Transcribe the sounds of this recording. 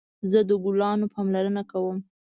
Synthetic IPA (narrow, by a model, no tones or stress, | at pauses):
zəd̪əɡulɑnopɑmlaɾənakawəm